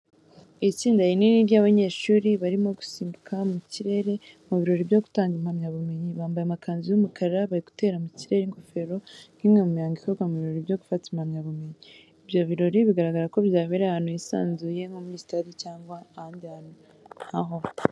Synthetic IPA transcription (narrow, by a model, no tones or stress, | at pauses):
it͡siːndajininiɾjaːβaɲe̞ːʃuːɾiβaɾimo̞ɡu̥siːmbukʰamumiciɾe̞ɾe̞ | muβiɾo̞ɾibjo̞ɡu̥taːŋɡimhamɲaβume̞ɲiβaːmbajeamakʰaːnzijumukʰaɾɾaβaɾiɡu̥te̞ːɾamiciɾe̞ɾiŋkofe̞ɾo̞ŋ̥himŋemumiaːŋɡikoɡamuβiɾo̞ɾibjo̞ɡu̥fatimhamɲaβume̞ɲi | ibjo̞βiɾo̞ɾiβiɡaɾaɡaɾako̞βjaːβeɾahaːn̥ujisa̰ːnzuje̞ŋomuɲiːsi̥tadicaːŋɡwaːhaːndihaːn̥u | haɦo̞